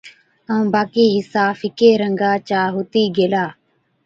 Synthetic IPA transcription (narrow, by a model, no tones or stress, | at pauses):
əũːbaːkiːɦɪsaːfɪkeːɾəŋɡaːt͡ʃaːɦʊt̪iːɡeːlaː